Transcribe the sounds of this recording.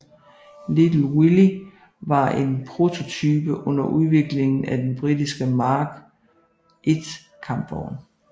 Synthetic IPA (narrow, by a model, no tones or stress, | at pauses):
lid̥l̩wili | ʋɑ̈e̝npʰʁo̝t͡sʰo̝t͡sʰyːb̥əʔɔ̽n̰ɐʔuð̞ˠʋe̝ɡ̥le̝ŋn̩æd̥enb̥ʁid̥isɡ̥əmɑ̈ːɡ̥ | ʔed̥ | kʰɑ̈mb̥ɒʊ̰n